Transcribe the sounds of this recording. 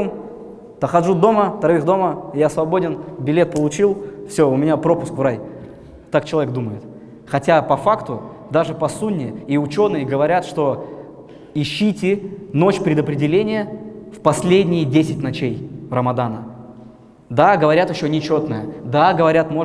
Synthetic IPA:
m | t̪əxɐʐud̪o̞mət̪ɐɾɐɨxd̪o̞məjasvɐbo̞dʲɪnbʲɪlʲe̞t̪̚pəlˠʊt͡ɕilˠfsʲo̞ʊmʲɪnʲapɾo̞pʊskvraj | t̪ːak̚t͡ɕɪlˠɐvʲeɡ̚d̪uməjɪt̪ | xɐtʲapɐfakt̪ʊ | d̪aʐɨpɐsunʲːɪiʊt͡ɕo̞nːɨjəɡəvɐɾʲat̪ʂt̪o̞ | ɪɕːitʲɪno̞t͡ɕpɾʲɪd̪əpɾʲɪdʲɪlʲenʲɪjəfpɐsʲlʲedʲnʲɪjədʲesʲɪtʲnɐt͡ɕejrəmɐd̪anə | d̪aɡəvɐɾʲat̪ɪɕːonʲɪt͡ɕo̞t̪nəjəd̪aɡəvɐɾʲat̪mo̞

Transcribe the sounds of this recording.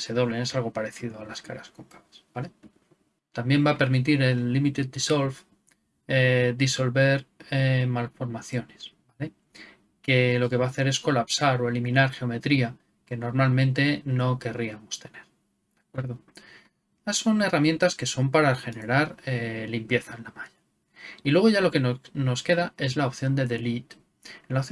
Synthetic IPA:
se̞ð̞o̞βle̞ne̞salɣ̞o̞paɾe̞θiðo̞alaska̰ɾasko̞ŋkḁβasb̥ale̞ | t̪ambje̞mbape̞ɾmit̪̬iɾe̞lːimit̪et̪̚d̪isolf | ed̪iso̞lβe̞ɾemalfo̞ɾmaθjo̞nesbale̞ | ke̞lo̞ke̞βaːθe̞ɾe̞sko̞lapsaɾo̞e̞limĩnaɾxeo̞me̞t̪ɾia | ke̞no̞ɾmalmẽ̞nt̪e̞no̞ke̞riamo̞st̪e̞ne̞ɾ | d̪̥akwe̞ɾðo | asːo̞ne̞ramjẽ̞nt̪aske̞so̞mpaɾaxe̞ne̞ɾaɾelimpje̞θaenlamaʎa | ilwe̞ɣ̞o̞ʝalo̞ke̞nono̞ske̞ðae̞zlaopθjo̞nd̪e̞ðe̞lit̪ | enlaopθj

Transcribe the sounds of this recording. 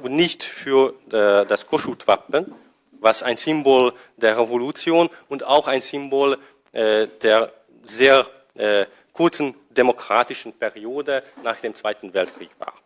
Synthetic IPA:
bnɪçtfyːɐdaskʰɔʃutv̥apən | vasaɪnzɪmboːl | d̥eːɐʁevolut͡sjoːnʊntaʊxaɪnzɪmboːl | ʔɛd̥eːɐ | zeːɐ | ʔɛː | kʰʊɐt͡sn̩ | demokʁ̥aːtɪʃn̩pʰɛʁioːdənaːχd̥eːmt͡sv̥aɪtn̩vɛltkʁ̥ḭːkv̥a̰ːɐ

